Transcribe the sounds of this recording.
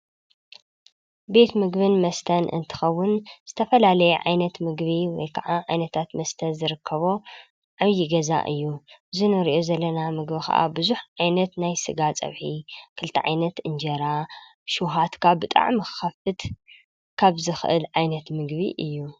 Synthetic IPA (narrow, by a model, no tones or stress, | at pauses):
be̞t̪mɨɡβɨnmɐst̪ʰɐnʔɨ̰nt̪ʰɨ̥xɐwːʊnz̥ɨt̪ʰɐfɐlalɐjɛʕa̰jnɐt̪mɨɡbiwɔjkʰɐʕaʕajnɐt̪ʰat̪mɐst̪ʰɐnzɨɾɨkʰːɐβo̞ | ʕaβjiɡɐza̰ʔɨ̰jːuɨzinɨɾiʔozɐlːɐnamɨɡbikʰɐ̰ʔa̰bɨzuħʕajnɐt̪najsɨɡat͡sʼɐ̰βħikʰɨlt̪ʰḭʕa̰jnɐt̪ɨnd͡ʒɐɾa | ʃuɦat̪kʰabɨt̪ʼa̰ʕmɨxxɐfɨt̪ | kʰaβzɨxʔɨ̰lʕajnɐt̪mɨɡbḭʔɨjːu